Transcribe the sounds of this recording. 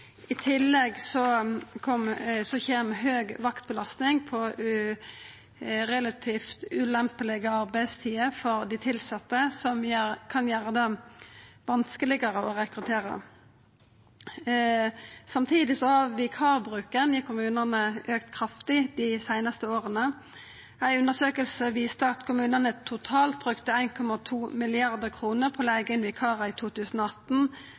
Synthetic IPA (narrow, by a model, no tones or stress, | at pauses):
ɪt̪ʰɪlːɛɡsɔkʰɔmsɔçeːmɦøːɡʋɑkt̪̚bəlɑst̪nɪŋpʰɔʉ | ʁɛlɑt̪ʰiːft̪ʉlɛmpəlɪɡəɑʁbæɪst̪ʰiːəfɔɾd̪ɪt̪ʰɪlsɑt̪ːəsɔmjækʰɑnjæːɾəd̪ɑ | ʋɑnskəlɪɡəɾəɔʁɛkʁʉt̪ʰeːɾə̰ | sɑmt̪ʰiːd̪ɪsɔhɑʋɪkʰɑːʁbʁʉːkənɪkʰʊmʉːnəʁnəʔøːkt̪kʰʁɑft̪ɪd̪ɪsæɪnɑst̪əoːʁənə | æɪʉnd̪əʁsøːkəlsəʋiːst̪əɑt̪kʰʊmʉːnənət̪ʰʊt̪ʰɑːlt̪̚bʁʉkt̪əæɪnkʰɔmɑt̪ʰuːmɪlɪɑʁd̪əʁkʰʁuːnəʁpʰɔleːɡəɪnʋɪkʰɑːʁəɪt̪ʰuːt̪ʰʉːsən̩oːɑt̪n̩